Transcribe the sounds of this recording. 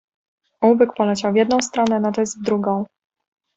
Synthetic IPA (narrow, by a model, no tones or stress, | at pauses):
uvɘkpɔlɛt͡ɕawvʲjɛd̪nɔ̃w̃st̪ɾɔnɛnat̪ɛzvd̪ɾuɡɔ̃w̃